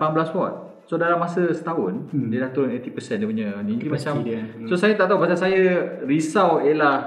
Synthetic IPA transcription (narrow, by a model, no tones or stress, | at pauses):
pamblaswɔt̪̚ | sodalamːasəsə̥t̪aɦʊndiədaht̪uɾʊnet̪ipəsɛndipuɲə̃nĩimãt͡ʃamsosajat̪aʔt̪aupasasajarisawela